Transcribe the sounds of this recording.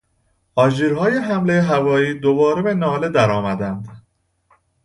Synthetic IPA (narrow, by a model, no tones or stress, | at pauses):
ʔɒːd͡ʒiːɾɦɒːje̞ɦæmle̞jeɦævɒːiːd̪obɒːɾebe̞nɒːle̞d̪æɾɒːmæd̪ænd̪